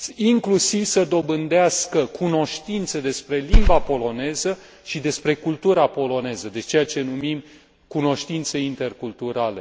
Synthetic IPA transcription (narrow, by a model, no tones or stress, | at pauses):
iŋklusivsəd̪o̞bɨnd̪easkəkʰuno̞ʃt̪int̪səd̪e̞spɾe̞limbapo̞lo̞ne̞zə | ʃid̪e̞spɾe̞kult̪uɾapo̞lo̞ne̞zəd̪et͡ʃejat͡ʃe̞numim | kuno̞ʃt̪int̪se̞int̪e̞rkult̪uɾale̞